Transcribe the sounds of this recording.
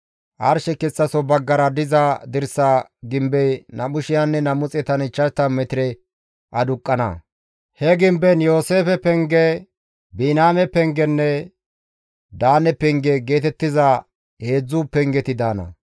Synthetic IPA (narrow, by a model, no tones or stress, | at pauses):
ʔɐɾʃɛkɛt͡sːɐsɔbɐɡːɐɾɐd̪ɪzad̪ɪɾsaɡɪmbɛjnɐmʊʃɪjanːɛnɐmʊt͡sʼɛt̪ɐnɪt͡ʃːɐt̪ːɐmɛt̪ɪɾɛ | ʔɐd̪ʊkʼːɐnɐ̰ | hɛɡɪmbɛnjo̞ːse̞ːfɛpɛŋɡɛ | biːnaːmɛpɛŋɡɛnːɛ | d̪aːnɛpɛŋɡɛɡe̞ːt̪ɛt̪ːɪza | he̞ːd͡zːuːpɛŋɡɛt̪ɪd̪aːnɐ̰